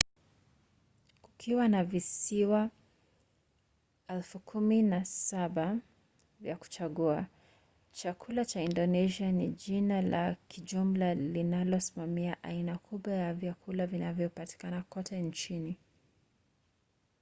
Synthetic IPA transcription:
ku̥kʰiwanavisiwa | ɛlfukʰuminasaɓa | vjaku̥t͡ʃaɠua | t͡ʃakʰulat͡ʃaindɔnɛʃianiʄinala̰kʰiʄum̩lalinalɔsi̥mamiaʔainakʰuɓwajavjakʰulavinavjɔpati̥kanakɔtʰɛnt͡ʃini

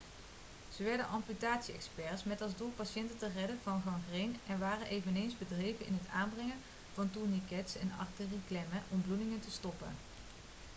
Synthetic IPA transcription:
z̥əʋɛɹdənʔɑmpytaːtsiɛ̰kspɛɹsmɛtɑlˠzdulˠpaʃɛntətərɛdənvɑnvɑŋvrejnɛnʋaːrənʔejvənejnzbədrejvənɪ̰nɦəta̰ːnbrɛŋən | v̥ɑntuɹnikɛtsɛ̰nɑ̰ɹtəriklɛməʔɔmbludɪŋəntəstɔpə̰n

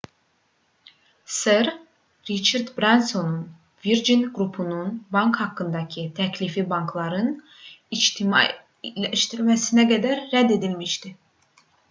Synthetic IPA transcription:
seɾ | ɾit͡ʃaɾd̪bɾansonun | viɾd͡ʒinɡɾupʰununbɑŋkhɑkːɯnd̪ɑcʰit̪ʰæcʰlifibɑŋklˠɑɾɯn | it͡ʃt̪ʰim̰ | læʃt̪iɾmæsinæɡæd̪æɾːæd̪ːe̞d̪ilmiʃt̪i

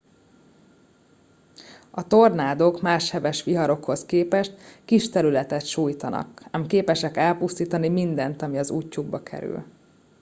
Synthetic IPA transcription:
ɒt̪o̞rnaːd̪o̞kmaːʃhɛvɛʃʋiɦɒɾo̞kho̞skeːpɛʃt̪kiʃt̪ɛɾylɛt̪ɛt̪ʃuːjt̪ɒnɒ̰kɛmkeːpɛʃɛkɛlpust̪iːt̪ɒnimind̪ɛnt̪ɒmiɒzuːcːuɡ̚bɒkʰɛ̰ɾy̰l

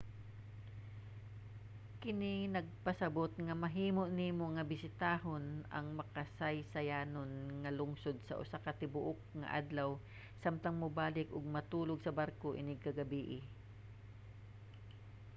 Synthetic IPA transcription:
kɪninɐɡ̚pɐsɐbot̪̚ŋɐmɐɦiːmoʔnimoŋɐbɪsɪt̪aːɦonɐ̰ŋmɐkɐsajsɐjaːnonŋɐlʊŋsod̪̚sɐ̰ʔʊ̰sakɐt̪ɪbʊʔok̚ŋɐ̰ʔa̰d̪law | samt̪ɐŋmʊbaːlɪkʔʊɡ̚mɐt̪uːloɡsɐbaɾkoʔɪ̰nɪɡ̚kɐɡɐbiːʔɪ

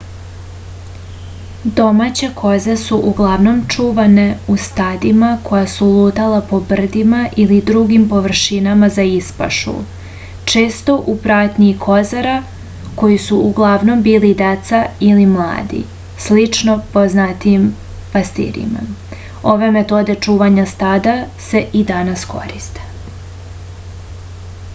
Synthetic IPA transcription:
d̪o̞mat͡ɕe̞kʰo̞zesuʔuɡlˠaʋno̞mt͡ʂuːʋane̞ust̪ad̪imako̞jasulˠuːt̪alapo̞br̩d̪imaʔilid̪ɾuɡimpo̞ʋr̩ʃinamazaispa̰ʃṵ | t͡ʃeːst̪o̞ʔupɾaːt̪ɲiikʰo̞zaɾa | ko̞jisuuɡlˠaʋno̞mbiːlid̪et̪sailimlˠa̰ːd̪ḭ | slit͡ʃno̞poznat̪ijim | past̪ḭɾḭma̰ | o̞ʋe̞me̞t̪o̞d̪e̞t͡ʂuːʋaɲast̪ad̪ase̞ʔid̪anasko̞̰ɾist̪e̥

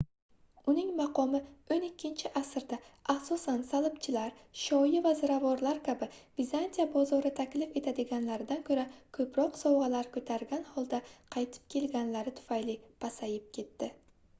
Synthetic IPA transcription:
ʊnɪŋmɑqʰɒmɪonɪkʲːɪnt͡ʃʰɪʔasɪɾd̪aaχsɒsansalˠɪpt͡ʃʰɪlaɾʃɒjɪvazɪɾavɒɾlaɾkʲʰabɪvizant̪ʰijabɒzɒɾɪt̪ʰakʲlɪfe̞t̪ʰad̪ɪɡʲanlaɾɪd̪ankʰʲɵɾakʰɵpɾɒqsɒwʁɑlaɾkʰɵt̪ʰaɾɡʲanhɒlˠd̪aqʰɑjt̪ʰɪ̥p̚kʲʰe̞lɡʲanlaɾɪt̪ʰʊ̥fajlɪpʰasajɪp̚kʲʰe̞t̪ːɪ

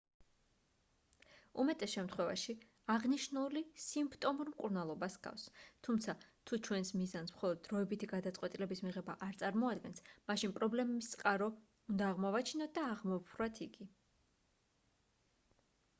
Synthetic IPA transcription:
umɛt̪ʼɛsʃɛmt̪ʰχwɛva̰ʃi | aʁniʃnulisimpʰt̪ʼɔmuɾmkʼuɾnalˠɔbasɡ̥a̰fst̪ʰumt̪sʰat̪ʰut͡ʃʰwɛnsmizansmχɔlˠɔd̪̚ːɾɔɛbit̪ʰiɡad̪at̪sʼqʼwɛt̪ʼilɛbismiʁɛbaʔaɾt̪sʼaɾmɔad̪ɡɛnsmaʃinpʼɾɔblɛmɛbist̪sʼqʼaɾɔ | und̪aːʁmɔvat͡ʃʰinɔt̪̚ʰd̪aːʁmɔpʰɾwat̪ʰiɡi

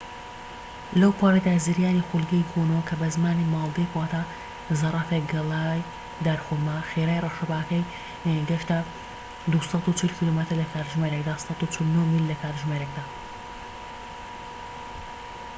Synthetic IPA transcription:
lɐwpʰaːɾed̪aːziɾjaːnixulɡɐjɡonɐwɐkʰɐbɐzmaːnimɑːlˠd̪ekwaːt̪ʰa | zɐrˤɑfeɡɐlaːj | d̪aɾxulmaxeɾaːjrɑʃɐbaːkɐj | ɡɐʃt̪a | d̪usɑt̪ut͡ʃʰɨlkʰilomət̪ɨɾlɐkʰaːɾʒmeɾekd̪aːsɑt̪ut͡ʃʰɨlnoːmilːɐkʰaːɾt̪ʒmeɾek̚d̪aː

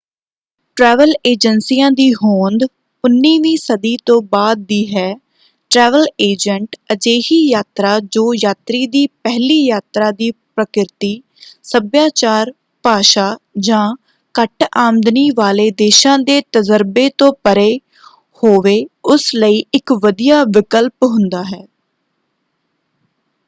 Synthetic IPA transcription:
ʈɾɛːʋəleːd͡ʒənsiːãːd̪iːɦoːnd̪ | ʊnːiːʋĩːsəd̪iːt̪õːbaːd̪̚ːiːɦɛː | ʈɾɛːʋəleːd͡ʒəɳʈəd͡ʒeːhiːjaːt̪ɾaːd͡ʒoːjaːt̪ɾiːd̪iːpɛɦliːjaːt̪ɾaːd̪iːpɾəkɪɾt̪iː | səbjaːt͡ʃaːɾ | paːʃaːd͡ʒãː | kəʈʰaːmd̪niːʋaːleːd̪eːʃãːd̪eːt̪əzəɾbeːt̪õːpəɾeː | hoːʋeːʊsləiːʔɪkʋəd̪ijaːʋɪkəlpɦʊ̃nd̪aːɦɛː

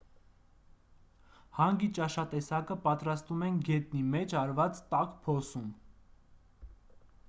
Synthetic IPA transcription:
hɑŋɡit͡ʃɑʃɑt̪ɛsɑkəpɑt̪ɾɑst̪vumɛnɡɛt̪nimɛt͡ʃʰɑɾvɑt͡st̪ɑkpʰɔsum

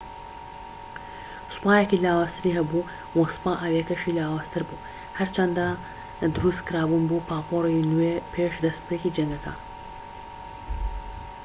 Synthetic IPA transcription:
sɨ̥paːjekilaːwaːst̪ɨɾiːɦɐbu | wosɨ̥paːʔawekɐʃilaːwaːst̪ʰɨɾbuː | hɐɾt͡ʃɐnd̪a | d̪ɨɾuskɨɾaːbunbupʰaːpoːɾinuwepʰeʃd̪ɐspeːkiːd͡ʒɐŋɡɐka̰

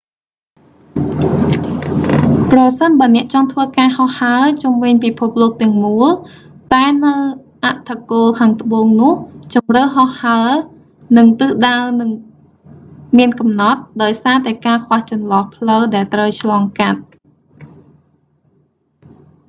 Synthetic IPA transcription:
prɑsənɓaənɛ̆əʔt͡ɕɑŋt̪ʰʋəːkaːhɑhːaət͡ɕumʋɨɲpipʰup̚loːk̚t̪ɛ̆əŋmuəl | t̪aɛnɨwʔaʔt̪ʰakoːlkʰaːŋt̪ʰə̆ɓoːŋnʊ̆əht͡ɕɑmrəwɦɑhhaə | nɨŋt̪ɨːɗaənɨŋ | miənkɑmnɑt̪̚ɗaɔjsaːt̪aɛkaːkʰʋaht͡ɕɑnlɑhpʰləwɗaɛlt̪rəwt͡ɕʰlɑːŋkat̪̚

